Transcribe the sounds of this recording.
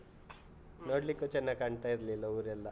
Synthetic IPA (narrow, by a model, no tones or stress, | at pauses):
noːɽlikːuːt͡ʃɛnːaɡkɐɳɖt̪ajiɾlilːɐuːɾɛlːɐ